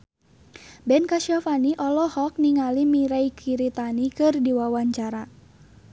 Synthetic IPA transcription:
bɛnkaʃiɔfaniʔɔlɔhɔk̚niŋalimiɾaikʰiɾit̪anikɨrdiwawaɲt͡ʃaɾa

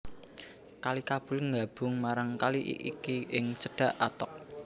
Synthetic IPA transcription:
kalikab̥ʊ̤lŋɡab̥ʊ̤ŋmaɾaŋkaliʔḭʔikiɪŋt͡ʃəɖ̥a̤ʔat̪ɔk̚

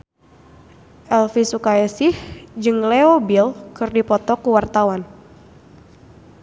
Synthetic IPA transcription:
ʔɛlfisukaɛsɪhd͡ʒɨŋleobilkɨrdipɔt̪ɔkuwart̪awan

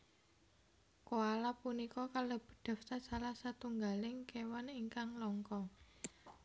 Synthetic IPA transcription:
koalapunikɔkalob̥ə̤d̪̥a̤fsasalahsat̪uŋɡalɪŋkewaniŋkaŋlɔŋkɔ

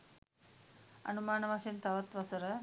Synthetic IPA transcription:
ɐ̰numaːnɐʋaʃent̪ɐʋɐt̪ʋɐsɐɾə

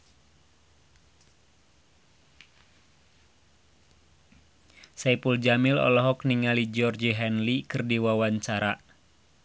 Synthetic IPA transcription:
saipuld͡ʒamilɔ̰lɔɦɔkniŋalid͡ʒɔrd͡ʒiɦɛnlikɨrdiwawaɲt͡ʃaɾa

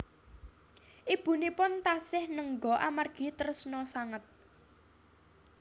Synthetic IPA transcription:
ʔib̥ṳnepʊnt̪asɪhnəŋɡɔ̤ʔamarɡ̥i̤t̪ərsnɔsaŋət̪̚

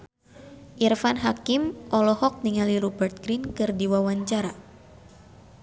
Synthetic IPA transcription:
ʔirfanɦakimʔɔlɔhɔk̚niŋaliɾubərt̪̚ɡɾinkɨrdiwawaɲt͡ʃaɾa

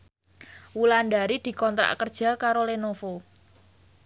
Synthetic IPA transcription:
wulanɖaɾid̪̥i̤kɔnt̪ɾa̰ʔkərd̥ʒ̥a̤kaɾolenofo

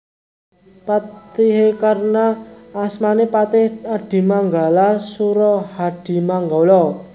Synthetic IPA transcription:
pat̪iɦekarnaːsmanepat̪ɪhaɖ̥i̤maŋɡalasuɾɔhaɖ̥i̤maŋɡɔlɔ

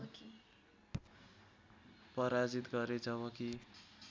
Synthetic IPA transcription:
pʌɾad͡zit̪ɡʌɾed͡zʌβʌ̃ki

